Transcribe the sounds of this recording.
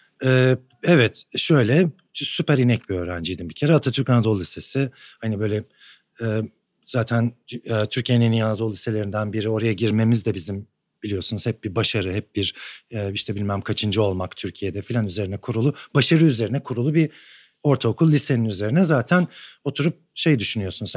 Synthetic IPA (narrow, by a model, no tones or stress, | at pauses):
ɛː | ɛvɛt̪ʃøjlʲɛ | sypæɾinɛcbiø̞ːɾænd͡ʒijd̪imbicʰe̞ɾɛat̪ʰat̪ʰyɾkanad̪o̞lˠːʲise̞sɪhanibø̞jlʲɛ | ɛː | z̥aːt̪ʰænːt̪ʰyɾcʰijeninijanad̪o̞lˠːise̞lʲeɾind̪ænbiɾio̞ɾajaɟiɾme̞mizd̪ɛbizim | b̥ilʲijo̞sunuz̥hɛp̚b̥iɾbaʃaɾɯɦɛp̚biɾɛːiʃt̪ʰɛbilʲmæmmkʰat͡ʃʰɯnd͡ʒɯo̞lˠmakt̪ʰyɾcʰijed̪ɛfilʲanyze̞ɾinɛkʰuɾulˠubaʃaɾɯyze̞ɾinɛkʰuɾulˠubi | o̞ɾt̪ʰaokʰulˠːʲise̞ninyze̞ɾinɛzaːt̪ʰæno̞t̪ʰuɾup̚ʃe̞jd̪yʃynyjo̞sunuz